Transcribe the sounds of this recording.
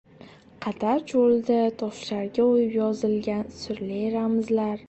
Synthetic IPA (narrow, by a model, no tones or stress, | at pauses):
qʰɑt̪ʰaɾt͡ʃʰolˠd̪ɪt̪ʰɒʃlaɾɡʲaojɪpjɒzɪlɡʲansʊɾleɾamɪzlaɾ